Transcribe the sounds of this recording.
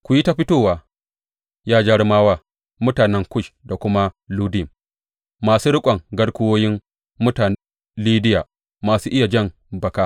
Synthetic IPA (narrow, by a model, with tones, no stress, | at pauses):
kʷʊ˨ji˦ta˦ɸɪ˦toː˦˨waː˨ | jaː˦d͡ʒɐ˦ɽmaː˦waː˦ | mʊ˦taː˨nɛ˦ŋkʷʊ˦ʃda˨kʷʊ˦ma˦luː˦dɪ˦˨m | maː˨suː˦ɽʊ˦kʷʼɐ˨ŋɡɐ˦ɽkʷʊ˦woː˦jɪ˦mː | ʊ˦taː˨ | liː˦dɪ˦jaː˨ | maː˨suː˦ʔɪ˦ja˨d͡ʒɐ˦˨m | bɐ˨kaː˦